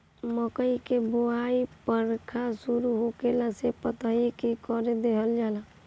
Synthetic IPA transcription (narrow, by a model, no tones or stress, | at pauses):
mɔkəikeboaipəɾkʰasuɾuɦokelasepət̪aikikɔɾed̪eɦəld͡ʒaːla